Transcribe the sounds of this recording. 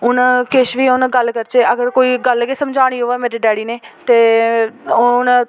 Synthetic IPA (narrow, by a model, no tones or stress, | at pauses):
ʊnakɪʃʋiːʊnːɡəlkəɾt͡ʃeːʔəɡəɾkoːiːɡəlkeːsəmd͡ʒʱaːɽ̃iːɦoːeːmeːɾiːɖɛːɽiːneːt̪eː | n